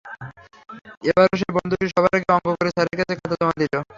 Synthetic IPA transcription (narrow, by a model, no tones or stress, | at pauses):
ebaɾoʃ̬ebɔnd̪ʱukeʃɔbʱaɾak̬eɔŋɡokoɾet͡ɕaɾeɾkat͡ɕʰekʰat̪at̪omad̪ilo